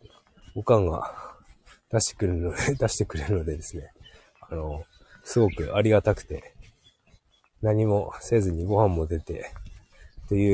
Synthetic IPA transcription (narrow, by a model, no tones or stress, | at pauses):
ɡokãŋɡa̰ | d̪̥aɕi̥t̪e̥kɯɾnoed̪aɕi̥t̪e̞kɯ̟ɾe̞ɾɯno̞d̪e̞d̪e̞sɨne̞ | ano̞ | sɨɡo̞kɯ̟ʔaɾʲiɡat̪akɯ̟̥t̪e̞ | naɲ̟imo̞se̞ːzɨɲ̟iɡo̞hãmːo̞d̪e̞t̪e̞ | t̪o̞jɯ̟ː